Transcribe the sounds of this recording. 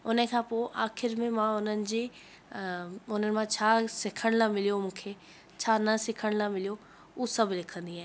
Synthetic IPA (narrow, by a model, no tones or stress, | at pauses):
ʊnəkʰãːpoːʔaːxɪɾmẽmãʊnənɪ̆d͡ʑeː | ʊn̤ənɪ̆mãt͡ɕʰaːsɪkʰəɽ̃lãmɪlijomũːkʰeː | t͡ɕʰaːnɐsɪkʰəɽ̃lãmɪlijo | uːsɐblɪkʰə̃nd̪iɦaːɦẽ